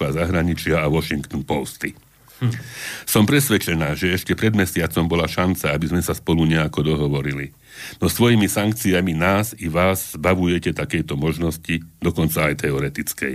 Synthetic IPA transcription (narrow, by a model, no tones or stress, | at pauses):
ʋazaɦɾaɲit͡ʃɪaaʋɔʃiŋkt̪npɔst̪i | sɔmpɾɛsʋɛt͡ʃɛnaːʒɛɛʃcɛpɾɛd̪mɛsɪat͡sɔmbɔlaʃant͡saabizmɛsaspɔluɲɛakɔd̪ɔɦɔʋɔɾili | nɔst̪ʋɔjimisaŋk̚t͡siaminaːziʋaːzzbaʋujɛcɛt̪akɛjt̪ɔmɔʒnɔscid̪ɔkɔnt͡saːjt̪ɛɔɾɛt̪it͡skɛ̰j